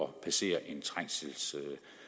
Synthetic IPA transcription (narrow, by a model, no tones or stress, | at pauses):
ɒpʰæse̝̰ːɐʔe̝nt͡sʰʁaŋ̰sls